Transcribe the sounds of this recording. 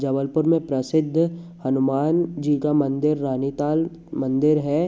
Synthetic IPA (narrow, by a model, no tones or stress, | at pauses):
d͡ʒɐʋəlpʊɾmẽpɾɐsɪd̪ʱːhɐnʊmaːnd͡ʒiːkamɐ̃nd̪ɪɾːaːnit̪aːl | mɐ̃nd̪ɪɾɦɛ